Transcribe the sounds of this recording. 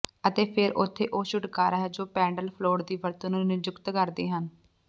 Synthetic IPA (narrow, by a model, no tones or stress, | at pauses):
ət̪eːpʰɪɾʔʊt̪ʰːeːʔoːʃʊʈkaːɾaːɦɛːd͡ʒoːpɛ̃ːɳɖəlpʰloːɽd̪iːʋəɾt̪ːnũːnɪd͡ʒʊkt̪kəɾd̪eːɦən